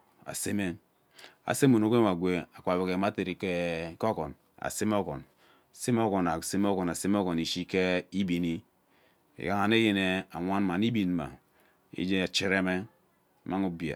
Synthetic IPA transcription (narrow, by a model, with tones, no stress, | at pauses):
a̰˨se˦me˦ | a̰˨se˦mu˨no˨˦ɡe˦ma˨ɡʷe˨a˨kʷa˨be˨ke˨ma˦te˨ɾi˨ke˦ko˦ko˨n | a̰˨se˦m˦o˦ko̰˨n˨ | se˦m˦o˦ko˨na˨se˦m˦o˦ko˨na˨se˦m˦o˦ko˨ni˨ʃi˦ke˦i˦bi˨ni˦ | ḭ˨ka˦ŋa˨ne˦je˦ne˨a˨ŋʷa˦nma˨ni˦bi˨nma̰˨ | ḭ˦d͡ʒe˦˨t͡ʃi˦ɾe˦me˦˨ | ma˦ŋu˦bi˨a̰˨